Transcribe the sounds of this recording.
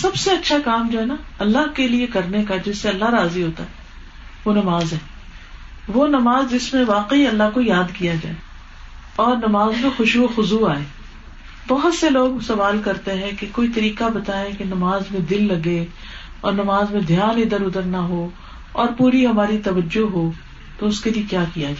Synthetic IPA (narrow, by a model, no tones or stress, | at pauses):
sɐbseɐtːʃʰakaːmd͡ʒoɦɛnaɐlːaɦkeliekɐɾnekad͡ʒɪsːeɐlːaɦɾaːziɦoːt̪aɦɛː | ʋonɐmaːzɦɛː | ʋonɐmaːzd͡ʒɪsmẽʋaːqeiɐlːaɦkojaːd̪kijad͡ʒa̰ːe | ɔːɾnɐmaːzmẽxʊʃoxʊzuaːeː | bɔɦʊt̪seloːɡsɐʋaːlkɐɾt̪eɦɛ̃kekoːit̪ɐɾiːqabɐt̪aːẽkenɐmaːzmẽd̪ɪlːɐɡe | ɔ̰ːɾnɐmaːzmẽd̪ʱjaːnɪd̪əɾʊd̪əɾnaɦo | ɔːɾpuːɾiɦɐmaːɾit̪ɐʋəd͡ʒoɦoː | t̪oʊskeliekjaːkijad͡ʒaː